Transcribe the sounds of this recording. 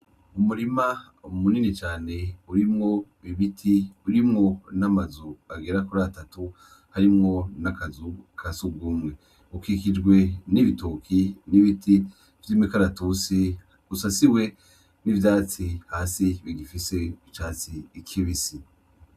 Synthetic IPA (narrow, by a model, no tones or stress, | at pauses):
umuɾima | umuninit͡ʃaːne̞uɾimŋo̞βiβitʰiuɾimŋo̞namazuaɡeɾakuɾatatu | haɾimŋo̞nakazukʰasub̚ɡuːmŋe̞ | ukikid͡ʒɡwe̞niβitokʰiniβiti | vjimikaɾatusi | usasiwe̞ | nivjaːt͡sihaːsiβiɡifise̞ut͡ʃaːt͡siːkʰiβisi